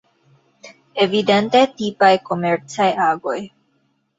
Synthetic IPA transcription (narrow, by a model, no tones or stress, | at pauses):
evident̪e̞t̪ipajko̞meɾt͡sajaɡo̞j